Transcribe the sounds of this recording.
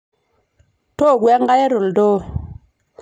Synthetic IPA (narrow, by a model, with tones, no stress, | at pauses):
to˦˨ɡwe˦ŋ˦ɡa˦je˦ɾo˨ldo˦